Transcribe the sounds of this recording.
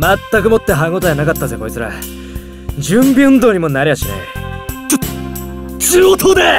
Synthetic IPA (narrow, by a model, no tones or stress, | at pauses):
mat̪ːak̬ɯ̟mo̞t̪ːe̞ɦaŋɡot̪ojanakat̪ːazeko̞ɾit͡ssɨɾa̰ | d͡ʑɨ̃mbʲɯ̃nd̪o̞ːɲ̟imo̞naɾʲejaɕinḛ | t͡ɕiɡot̪ʰod̪e